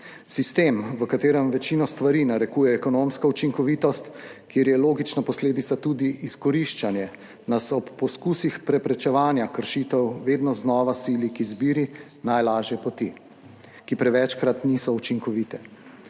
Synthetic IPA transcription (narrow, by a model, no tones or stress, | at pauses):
sist̪eːmʋəkat̪eːɾɛmʋɛt͡ʃiːnɔst̪ʋaɾinaɾɛkuːjɛːkɔnomskɔut͡ʃiŋkɔʋiːt̪ɔst̪keːɾjɛloːɡit͡ʃnapɔsleːd̪it̪sat̪ud̪iʔiskɔɾiʃt͡ʃanjɛ | nasɔpːɔskusixpɾɛpɾɛt͡ʃɛʋaːnjakəɾʃiːt̪ɛwʋeːd̪nɔznɔːʋasiːlikizbiːɾi | najlaːʒjɛpɔt̪i | kipɾɛʋɛt͡ʃkɾat̪nisɔut͡ʃiŋkɔʋiːt̪ɛ